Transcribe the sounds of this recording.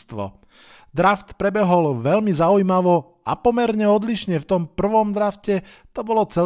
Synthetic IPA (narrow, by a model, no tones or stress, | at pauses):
t̪ʋɔ̰ | d̪ɾaft̪pɾɛbɛɦɔlʋɛʎmizaujmaʋɔ | apɔmɛɾɲɛɔd̪liʃɲɛft̪ɔmpr̩ʋɔmd̪ɾafcɛ | t̪ɔbɔlɔt͡sɛ